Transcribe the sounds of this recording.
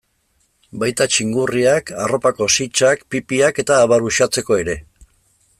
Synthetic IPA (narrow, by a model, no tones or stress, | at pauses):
bajt̪at͡ʃiŋɡuriakaro̞pako̞sit͡ʃakpipiake̞t̪aːβaɾuʃat͡se̞ko̞e̞ɾe̞